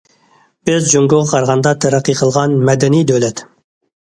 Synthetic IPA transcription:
b̥ɪzd͡ʒoŋɡoʁɑqʰɑɾʁɑnd̪ɑt̪ʰɛɾɑqʰːiqʰəlˠʁɑnmɛd̪ɛnid̪ølɛt̪

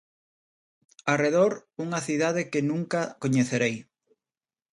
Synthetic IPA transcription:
areðoɾuŋɐθiðað̞ɪkɪnũŋkakoɲeθeɾej

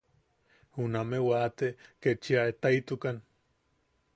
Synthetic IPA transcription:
unamewaːt̪eket͡ʃiaet̪ajt̪ukan

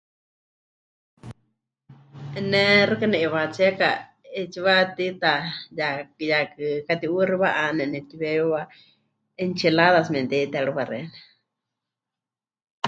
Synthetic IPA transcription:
ɛnɛrɨkanɛʔɛβat͡siɛka | ɛt͡ʃiβat̪it̪ajakɨjakɨkat̪iuriβaʔanɛnɛt̪iβɛjuwa | ɛnt͡ʃilaðas̬mɛnt̪ɛt̪ɛɺuβarɛ̰nɛ

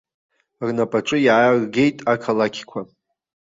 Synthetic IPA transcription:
rnapʼaʈ͡ʂʷʼɨjaːrɡʲe̞jtʼakʰalakʲʰkʷʰa

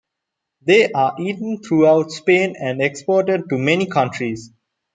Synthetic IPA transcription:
d̪eːʔaːʔiːʈə̃nt̪ʰɾuːaʊʈspẽːnæ̃ɳɖekspɔːʈəɖ̚ʈumɛnikʰʌ̃ɳʈɾiz

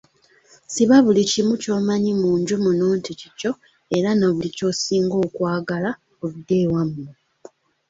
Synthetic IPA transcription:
siβaβulicimuco̞ːmaɲimuːɲɟumunoːntʰicico | e̞ɾanoβulico̞siːŋɡo̞ːkwaːɡala | oβidewamː

